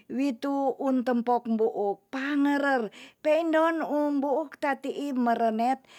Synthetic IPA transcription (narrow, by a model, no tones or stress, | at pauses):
wit̪uunt̪əmpɔk̚mbuʔʊk̚paŋəɾərpeindɔnumbuːk̚t̪at̪iʔiməɾənɛt̪̚